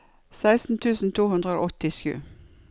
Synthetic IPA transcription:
sæɪst̪n̩t̪ʰʉːsn̩t̪ʰuːhʉnd̪ʁəo̰ːʔɔt̪ɪʃʉ̰ː

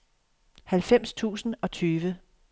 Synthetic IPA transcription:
hælfem̰st͡sʰṵːsn̩ɒ̽t͡sʰyːʋə

